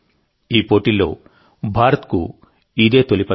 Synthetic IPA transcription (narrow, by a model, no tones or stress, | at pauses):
iːpoːʈilːo̞ː | bʱaːɾɐt̪kṵ | id̪e̞ːt̪olipɐ